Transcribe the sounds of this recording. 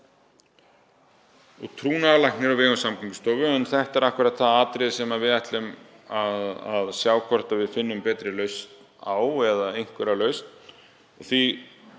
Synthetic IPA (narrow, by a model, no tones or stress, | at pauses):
ɔɣt̪ʰɾuːnaðalajhknɪɾɔvɪːɣʏnsamkʰiŋkɪ̥st̪ɔːwvʏɛnθɛht̪ɛɾahkvʏɾat̪θaðaːt̪ɾɪðsɛmavɪðajht̪lɪm | aðaðsjaːwkʰvɔr̥t̪avɪðfɪnːʏmpɛːt̪ɾɪlœɥst̪ | aːwɛðaejŋ̥kvɛɾalœːɥst̪n | ɔθvi